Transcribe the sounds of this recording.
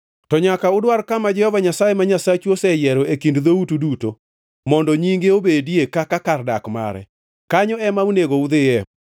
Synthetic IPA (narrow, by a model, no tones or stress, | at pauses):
tɔɲakaʊdwaɾkamad͡ʒɛhɔvaɲasajemaɲasat͡ʃuosɛjɛɾɔekindðoutuduto | mɔndɔɲiŋɡeobediekakakardakma̰ɾɛ̰ | kaɲɔɛmauneɡoud̪ɪɛ